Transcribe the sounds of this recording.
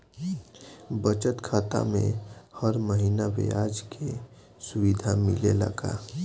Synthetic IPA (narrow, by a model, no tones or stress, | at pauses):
bət͡ʃət̪kʰaːt̪a̰mḛ̃həɾməɦiːnaʋḛaːd͡ʒkʰe | sʊwid̪ʱamɪlelə̰ɡa̰